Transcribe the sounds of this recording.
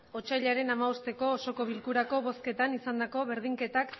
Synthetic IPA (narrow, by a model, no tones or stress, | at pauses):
o̞t͡ʃajʎaɾe̞namaost̪e̞ko̞ːso̞ko̞β̞ilkuɾako̞βo̞ske̞t̪anisand̪ako̞βeɾð̞iŋke̞t̪ak